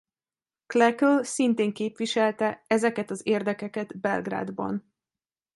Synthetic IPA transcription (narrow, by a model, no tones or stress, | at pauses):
klɛkølsint̪eːŋkeːpʋiʃɛlt̪ɛɛzɛkɛt̪ɒzeːrd̪ɛkɛkɛd̪bɛlɡra̰ːd̪bɒ̰n